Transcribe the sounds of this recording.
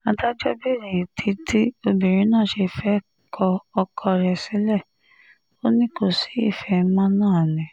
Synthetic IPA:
ã˨˦ta˦d͡ʒɔ˦bi˦˨ɾi˨tʰi˨˧˦ti˦o˧bi˨ɾ̃ĩ˨˦nãː˦˨ʃe˧fɛ˦ | kʰɔ˧ɔ˧kʰɔ˧ɾɛ˧˨si˨˦lɛ˦˨ | o˦nĩ˦ko˦˨si̥˨˦i˦˨fɛ˨˦mã˦nãː˦˨nĩ˨

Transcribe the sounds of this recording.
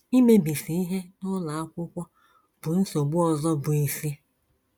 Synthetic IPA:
i˦me˦bi˨si˨i˦ɦe˦nʊ˦la˨a˦kʷʊ˦kʷa˦ | b̥ʊ˨n̩˦so˨ɡ͡bʊ˦ɔ˨zɔ˦bʊ˨i˨si˦

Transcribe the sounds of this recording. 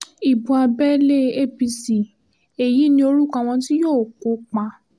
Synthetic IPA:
i˨bũ˨a˧bɛ˦le˦e˦˨bi˧si˨ | e˨ji˨˦nĩ˧o˧ɾu˦kã˧˦˧w̃ɔ̃˧ti˦joː˦˨ko˨˦k͡pã˧

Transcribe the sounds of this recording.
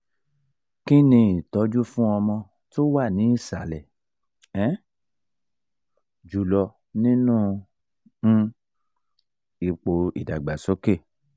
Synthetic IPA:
ki˦nĩ˧i˨tɔ˨˧˦d͡ʒu˦fũ˦ɔ˧mɔ̃˧ | to˦wa˦˨nĩ˨˦i˦˨sa˨lɛ˨ | ɛ˦ | d͡ʒu˨lɔ˧ | nĩ˦nũː˦˨˦ | i˧k͡po˧ḭ˨da˨ɡ͡ba˨so˨˦ke˦˨

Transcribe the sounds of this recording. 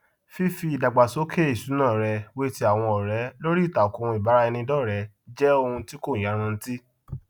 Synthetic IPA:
fi˦fi˧˦i˨da˨ɡ͡ba˨so˨˦kʰe˦i˦˨su˨˦nãː˦˨ɾɛ˧we˦ti˦a˦˨w̃ɔ̃˧ɔ˨ɾɛ˨˦lo˦ɾi˦i˦˨ta˨ɔ˨ku˧ũ˧i˨ba˨˦ɾa˧ɛ˧nĩ˧dɔ˦˨ɾɛ˨˧˦ | d͡ʒɛ˦o˧hũ˧ti˦ko˦˨j̃a˨˦ɾ̃ã˧n̩˦ti˦

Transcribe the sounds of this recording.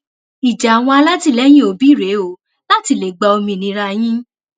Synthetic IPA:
i˨d͡ʒa˨a˨w̃ɔ̃˧a˧la˦ti˧˨lɛ˦j̃ĩ˦o˧bi˦˨ɾe˨˦o˨ | la˦ti˧˨le˨ɡ͡ba˧o˧mĩ˧nĩ˧ɾa˧j̃ĩ˦

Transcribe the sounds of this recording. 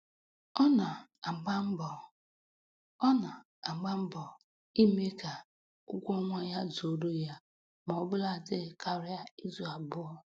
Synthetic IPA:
ɔ˦na˨ | a˨ɡ͡ba˦m̩˦bɔ˨ | ɔ˦na˨ | a˨ɡ͡ba˦m̩˦bɔ˨ | i˦me˦ka˨ | ʊ˦kʷɔ˦ŋʷa˦ja˦zo˨ɾo˦ja˦ | mɔ˨ɔ˦bʊ˦la˨dɪ˦˨ka˦ɾɪ˦a˦i˦zu˨a˨bʊ˦ɔ˦

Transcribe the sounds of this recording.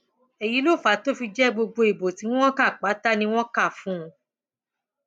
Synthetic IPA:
e˨ji˨˦lo˦˨fa˨˦to˦fi˧d͡ʒɛ˦ɡ͡bo˧ɡ͡bo˧i˨bo˨tĩ˨˦ɔ̃˦ka˦˨k͡pa˨˦ta˦nĩ˧w̃ɔ̃˦ka˦˨fũ˨˦˧

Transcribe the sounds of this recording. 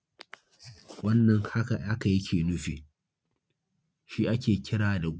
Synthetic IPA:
wɐ˦nːɐ˨ŋha˦ka˨a˦ka˨ji˦kʲʰeː˨nʊ˦ɸiː˨ | ʃi˦ʔa˦kʲeː˨kʲɪ˦ɽaː˨da˨ɡ

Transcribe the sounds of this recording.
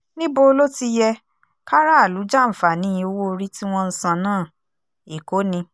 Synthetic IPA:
nĩ˦bo˧lo˦ti˧jɛ˧ | ka˦ɾa˦˨lu˨˦d͡ʒa˦˨m̩˨fa˨nĩ˨˦˧o˧˦wo˦˧ɾi˦ti˦w̃ɔ̃˦n̩˦sã˧nãː˦˨ | i˨ko˨˦nĩ˧

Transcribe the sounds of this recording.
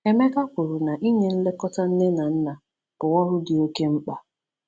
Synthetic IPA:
e˦me˦ka˦kʷʊ˨ɾʊ˨na˨ʔi˦ɲe˦n̩˦le˦kɔ˦ta˦n̩˦ne˦na˨n̩˦na˨ | ʊ˨wɔ˦ɾʊ˦dɪ˨o˦ke˦ŋ͡m̩˦k͡pa˨

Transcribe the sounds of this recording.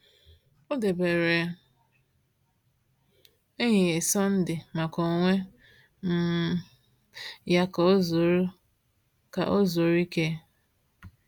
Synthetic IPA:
o˦de˨be˨ɾe˨ | e˦ɲɪ˨e˨sɔ˦n̩˦dɪ˨ma˨ko˨ŋʷe˦ | m̩˦ | ja˦ko˦zo˨ɾ | ka̰˨ʔo˦zo˨ɾi˦ke˦

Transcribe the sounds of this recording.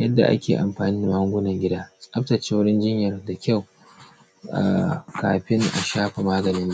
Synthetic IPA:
jɐ˦dːa̰˨ʔa̰˦kʲeː˨ʔa˨mɸaː˨niː˦da˨ɐ˦ŋɡʷʊ˦nɐ˨ŋɡʲɪ˦daː˦sʼɐ˦ptɐ˨t͡ʃeː˦wʊ˦ɽɪ˦nd͡ʒɪ˦ɲjɐ˨rda˨kʲa˦˨w | a̰˨ka̰ː˨ɸɪ˦ŋʔa̰˨ʃaː˦ɸa˨maː˦ɡɐ˨nɪ˦nː˦

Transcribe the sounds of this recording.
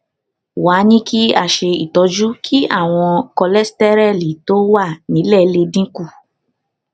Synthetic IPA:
wa˨˦nĩ˦ki˦a˦˨ʃe˧ḭ˨tɔ˧d͡ʒu˦kʰi˦ʔa̰˦˨w̃ɔ̃˧kɔ˧lɛ˦stɛ˦ɾɛ˦˨li˨to˦wa˦˨nĩ˨˦lɛ˦˨˦le˧dĩ˦ku˦˨

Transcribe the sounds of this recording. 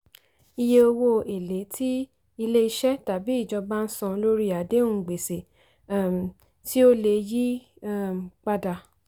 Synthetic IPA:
i˧je˧o˧wo˧e˨le˨˦tʰi˦ | i˧le˦i˧ʃɛ˦ta˨bi˨˦i˦˨d͡ʒɔ˧ba˦n̩˦sɔ̃˧lo˦ɾi˦˨a˨de˦ũ˦˨ɡ͡be˨se˨˦˨ | ti˦o˦le˧ji˦˨ | k͡pa˧da˧

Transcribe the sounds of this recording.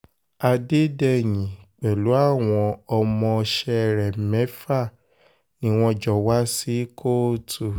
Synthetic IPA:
a˧de˦dɛ˦˨j̃ĩ˨k͡pɛ˨lu˨˦a˦˨w̃ɔ̃˧ɔ˧mɔ̃˧ʃɛ˧˨ɾɛ˨mɛ̃˨˦fa˦˨ | nĩ˦w̃ɔ̃˧d͡ʒɔ˨wa˦si˦kʰo˦˨tu˨

